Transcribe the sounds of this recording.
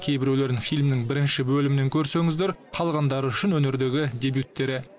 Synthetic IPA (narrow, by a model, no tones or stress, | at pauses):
kʲʰe̞jbɪɾele̞ɾɪŋfijlʲmnɪŋbɪɾɪnʃɪbɵlɪmɪne̞ŋkʲʰɵɾse̞ŋɪzd̪e̞ɾqʰɑlˠʁɑnd̪ɑɾəʏʃɪnwɵne̞ɾd̪e̞ɡʲɪd̪ʲe̞bjut̪ːe̞ɾɪ